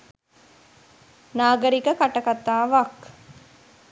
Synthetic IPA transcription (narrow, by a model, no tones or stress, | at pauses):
naːɡəɾikəkaʈəkat̪aːʋak